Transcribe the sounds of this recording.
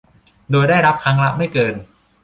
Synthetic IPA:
doː˧jdaː˥˩jɾa˦˥p̚kʰa˦˥ŋɾa˦˥ma˥˩jkɤː˧n

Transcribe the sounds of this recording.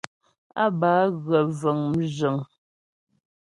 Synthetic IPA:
a˦baː˨˦ɣə˨və˨ŋm̩˦d͡ʒə˨ŋ

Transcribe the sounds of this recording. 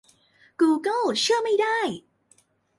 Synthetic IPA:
kuː˧kɤ˥˩lt͡ɕʰɯ˥˩ɐma˥˩jda˥˩j

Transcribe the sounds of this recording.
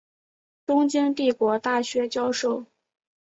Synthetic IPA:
ʈ͡ʂʊ˥ŋt͡ɕi˥nt̪i˥˩kwɔ˧˥t̪a˥˩ɕɥɛ˧˥t͡ɕjɑ˥ʊʂo˥˩ʊ

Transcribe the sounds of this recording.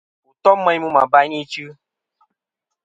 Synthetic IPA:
u˨tɔ˦mə˦jmu˦ma̰˨ba˦jni˦t͡ʃɨ˦

